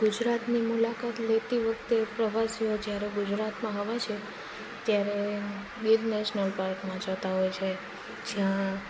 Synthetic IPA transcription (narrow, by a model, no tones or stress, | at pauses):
ɡʊd͡ʒɾat̪nimulakat̪let̪iʋək̚ʰt̪epɾəʋasiod͡ʒjaɾeɡʊd͡ʒɾat̪mãɦəʋat͡ʃʰe | t̪jaɾe | biɾnɛʃnəlpaɾkmãd͡ʒət̪aɦojt͡ʃʰe | d͡ʒjã